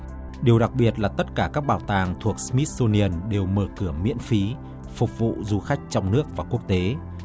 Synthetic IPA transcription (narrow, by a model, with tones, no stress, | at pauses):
ɗi˨˩əwɗa˨˩k̚ɓi˨˩ət̚laː˨˩t̪ə˦˥t̚kaː˧˩kaː˦˥k̚ɓaː˧˩wt̪aː˨˩ŋt̪ʰu˨˩ək̚smi˦˥t̚so˧ni˧ə˧nɗe˨˩wməː˧˩kɨ˧˩əmḭ˧˥ənfi˨˦ | fʊ˨˩k͡p̚vṵ˧˨zu˧xa˦˥jk̟̚t͡ɕɔ˧wŋ͡mnɨ˦˥ək̚vaː˨˩ku˦˥ək̚t̪e˨˦